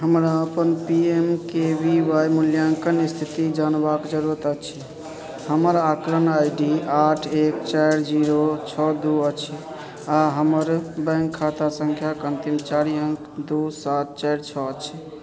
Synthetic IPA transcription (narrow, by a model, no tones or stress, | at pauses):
ɦəmɾaəpənpiemkebiʋajmuljaŋkənist̪ʰit̪id͡ʒanbakd͡ʒəɾuɾət̪ət͡ʃʰi | həməɾakɾənajɖiaʈʰekt͡ʃajɾd͡ʒiɾot͡ʃʰɔd̪uət͡ʃʰi | aɦəməɾbə̃ŋkʰːat̪asəŋkʰjakənt̪imt͡ʃaɾiəŋk | d̪usat̪̚t͡ʃajɾt͡ʃʰɔt͡ʃʰi